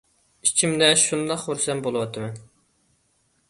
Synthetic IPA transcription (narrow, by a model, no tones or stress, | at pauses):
it͡ʃʰimd̪ɛʃund̪ɑqhoɾsɛmbolˠʊwɑt̪ʰɨmɛn